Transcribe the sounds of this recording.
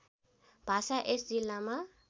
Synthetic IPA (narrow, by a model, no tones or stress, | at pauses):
b̥ʱasaʔesd͡zilːama